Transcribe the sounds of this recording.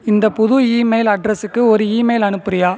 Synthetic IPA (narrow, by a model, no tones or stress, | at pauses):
ɪnd̪ɐpʊðʊiːmeɪlɐɖɾɐsɯkːɯɔɾɯiːmɐɪlɐnɯppːɯɾɐjaː